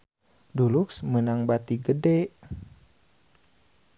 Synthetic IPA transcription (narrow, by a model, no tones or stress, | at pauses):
duluksmənaŋbat̪iɡədɛ